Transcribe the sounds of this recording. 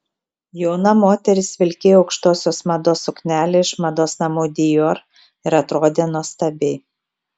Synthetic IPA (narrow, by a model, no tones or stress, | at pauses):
jɔʊnɐmoːt̪ʲɛɾʲɪsʋʲɪlʲkʲejoɒʊkʃt̪oːsʲoːsmɐd̪oːsʊknʲæːlʲeːɪʃmɐd̪oːsnɐmuːd̪ʲɪjoːɾ | ɪɾɐt̪ɾoːd̪ʲeːnuɔst̪ɐbʲeɪ